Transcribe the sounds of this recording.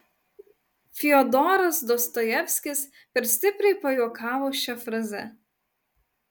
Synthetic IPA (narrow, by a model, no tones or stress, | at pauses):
fʲɪɔd̪ɔːɾɐsd̪ɔst̪ɔjɛfʲsʲkʲɪs | pʲɛɾsʲt̪ʲɪpʲɾʲɛɪpɐjuːkɑːʋoːʃʲɛfɾɐzʲɛ̰